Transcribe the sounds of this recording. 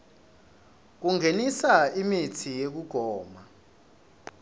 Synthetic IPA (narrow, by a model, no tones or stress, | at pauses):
k̬uŋenisaimitʰijek̬uɡ̥ʱɔːma